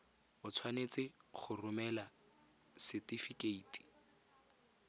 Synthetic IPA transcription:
mʊt͡sʰwanet͡sɪχʊrʊmɛla | sɪtifikeiːti̥

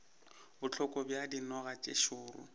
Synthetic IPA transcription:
bʊt͡ɬʰɔkʼɔbjadinɔɣat͡ʃʼḛʃʊːrʊ̰

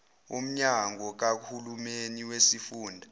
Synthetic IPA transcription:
ṵm̩ɲaŋɔk̬ak̬hulumeniwesifuːndʱa

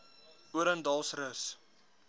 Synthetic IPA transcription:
uəɾəndɑlˠsrəs

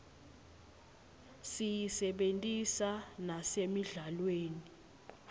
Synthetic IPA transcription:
sijisɛɓentʼisanasemiɮalweːni

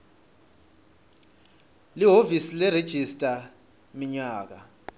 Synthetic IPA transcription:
liɦovisilɛred̥ʒ̥ʱistʼa | miɲaːk̬a

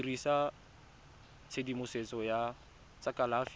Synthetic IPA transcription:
risa | t͡sʰedimʊset͡sɔja | t͡sʼakalaf

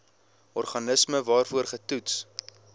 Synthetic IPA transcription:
ɔrχɐnəsməvɑːrfuərχətuts

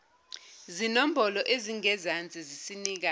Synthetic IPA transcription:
zinom̩bɔlɔʔeziŋɛzant͡sʼizisiniːk̬a

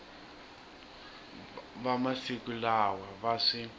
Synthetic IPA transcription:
βamasikulawaβasi

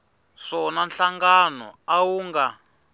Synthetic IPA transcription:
ʂɔnanɬaŋɡanɔ̰awuŋɡa

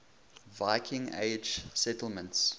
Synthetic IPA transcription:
vaɪkʰɪ̃ŋḛɪd͡ʒsɛtəl̩ˠmə̃nts

